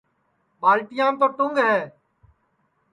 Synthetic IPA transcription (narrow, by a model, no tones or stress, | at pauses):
ɓaːlʈɪjãːpəʈʊŋɡɦɛː